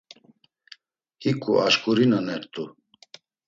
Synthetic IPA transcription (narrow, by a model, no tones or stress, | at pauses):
hikʼṵʔaʃkʼuɾinanɛɾt̪ʼu